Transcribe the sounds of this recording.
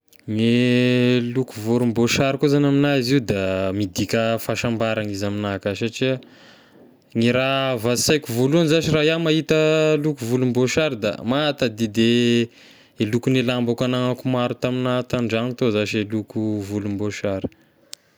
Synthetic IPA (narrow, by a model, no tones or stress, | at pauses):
ŋe | lukuvuɾumboʃaɾikuzanaminaziud̪amid̪ikʲəfaʃambaɾaŋizaminakasaʈ͡ʂi | ŋiɾavasajkuvulunizaʃiraɦjamaɦit̪əlukuvulumboʃaɾid̪a̰mat̪ad̪id̪e | elukunelambakanaŋakumaɾut̪aminat̪aɳɖ͡ʐaŋit̪ozaʃelukuvulumboʃaɾi̥